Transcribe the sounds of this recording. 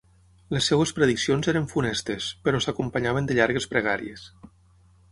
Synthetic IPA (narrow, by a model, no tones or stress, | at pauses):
lesːewespɾeðiksionzeɾəɱfunɛst̪espəɾɔsakumpəɲaβ̞ənd̪əʎaɾɣespɾəɣ̞aɾḭes